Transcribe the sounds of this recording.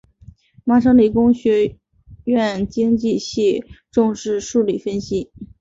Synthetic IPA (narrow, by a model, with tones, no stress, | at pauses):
ma˥ʂ̬ɤ˥ŋli˨˩kʊ˥ŋɕɥɛ˧˥ | ɥɛ˥˩nt͡ɕi˥ŋt͡ɕi˥˧ɕi˥˧ʈ͡ʂʊ˥˧ŋʂɻ̩˥˧ʂu˥˧li˥˩fə˥nɕi˥